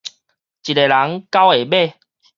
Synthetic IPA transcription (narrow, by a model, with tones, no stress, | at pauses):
t͡ɕi˨te˨la˨˦ŋka˦we˨˩be˥˧˨